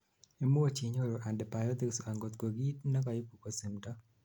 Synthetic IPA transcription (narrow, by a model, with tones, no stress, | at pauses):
e˨mu˦o˦t͡ʃi˨ɲo˦ɾo˨ʔa˨ndɛ˨pa˨jɔ˦d̪i˨ksa˨ŋɡo˨t̪ko˨ɡi˦tnɛ˦ka˨ji˦pu˨ko˦si˨mtɔ˦